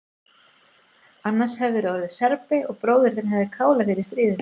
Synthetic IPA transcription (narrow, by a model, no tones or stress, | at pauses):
anːḁshɛvðɪɾoːðɪsɛɾpɪɔɣpɾoːwðɪɾ̥θɛnɦɛvðɪkʰaːwlaɣɪɾɪst̪ɾiːðɪn